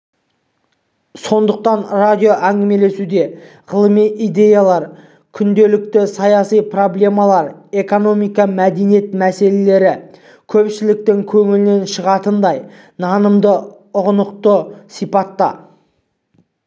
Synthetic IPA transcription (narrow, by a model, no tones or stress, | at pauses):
so̞nd̪əq̚t̪ɑnrad̪ʲijo̞ʔæŋɡʲɪme̞le̞sud̪e̞ | ʁəlˠəmijʔijd̪e̞jalˠɑɾ | kʲʰʏnd̪e̞lɪk̚t̪ɪsɑjɑsijpro̞blʲe̞mɑlˠɑɾe̞ko̞no̞mijkɑmæd̪enije̞t̪mæse̞le̞le̞ɾɪ | kʲʰɵpʃɪlɪk̚t̪ɪŋkʲʰɵŋɪlɪne̞nʃəʁɑt̪ənd̪ɑj | nɑnəmd̪ə | ʊʁnəq̚t̪əsijpɑt̪ːɑ̰